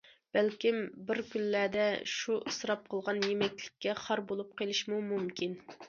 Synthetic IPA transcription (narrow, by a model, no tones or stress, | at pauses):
b̥ælkʲimbɪɾkʲynːæd̪ɛʃuʔɨsɾɑp̚qʰəlˠʁɑnjemɛkʲlɪ̥kʲːɛχɑɾbolˠup̚qelˠɨʃmumumkʲin